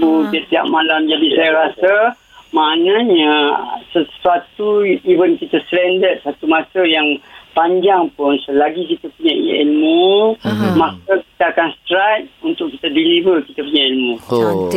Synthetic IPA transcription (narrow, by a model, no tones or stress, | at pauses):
but̪iəʔt̪iɦa̰ʔmalamd͡ʒadisajaɾasə | manaɲəsəsuat̪uivənkit̪aslɛndət̪̚sat̪umasəjaŋpaɲd͡ʒaŋpʊnsəlaɡikit̪apuɲaʔḭḭlmu | mak̚əki̥t̪aakanst̪ɾajt̪̚unt̪ʊʔkit̪adilivəkit̪apuɲailmũ